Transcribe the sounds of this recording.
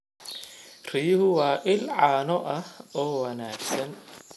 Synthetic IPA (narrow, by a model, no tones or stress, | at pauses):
rɪjʊhʊwaːʔɪlʕaːnɔʔɐhɔːwɐnaːɡsɐn